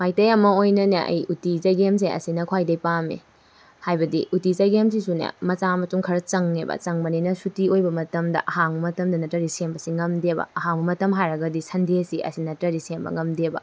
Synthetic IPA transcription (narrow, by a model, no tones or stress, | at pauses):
majtɐjɐmɐojnɐnɐ̰ʔɐ̰jutizɐjɡems̬eʔɐ̰sinɐkʰwajdɐjpamḭ | hajbɐdiʔutit͡ʃɐjɡems̬isunɐ̰mɐt͡ʃamɐtuŋkʰɐɾɐt͡ʃɐŋːebɐ̰t͡ʃɐŋmɐninɐsutiojbɐmɐtɐmdɐ̰ʔɐɦaŋbɐmɐtɐmdɐnɐtɾɐɾisembɐsiŋɐmdebɐ̰ɐɦaŋbɐmɐtɐmɦajɾɐɡɐdisʰɐndesiʔɐ̰sinɐtɾɐɾisembɐ̰ŋɐmdebɐ̰